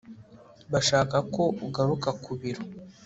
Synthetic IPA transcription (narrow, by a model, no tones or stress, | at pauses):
βaʃaːkako̞uɡaɾukakuβiɾo